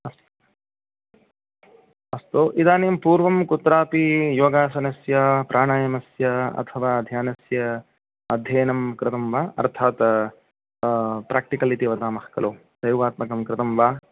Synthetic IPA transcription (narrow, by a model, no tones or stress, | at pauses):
ɐst̪ | ɐst̪oːʔid̪aːneːmpuːɾʋɐmkut̪ɾaːpijoːɡaːsɐnɐsjapɾʔaːɳaːjɐmɐsjɐɐ̰t̪ʰɐʋaːd̪ʱjaːnɐsjɐ | ɐd̪ʱjɐːnɐmkɾɪt̪ɐmʋaːɐ̰ɾt̪ʰaːt̪ | pɾaːk̚ʈikɐlit̪iʋɐd̪aːmɐhkɐloːsɐjʋaːt̪mɐkɐmkɾɪt̪ɐmʋaː